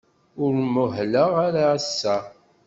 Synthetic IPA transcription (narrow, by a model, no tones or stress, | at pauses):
ʊɾmʊɦləʁaɾaːsːæ